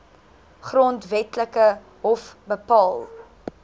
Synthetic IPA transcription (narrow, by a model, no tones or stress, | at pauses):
χrontvɛtləkə | ɦɔfbəpɑːlˠ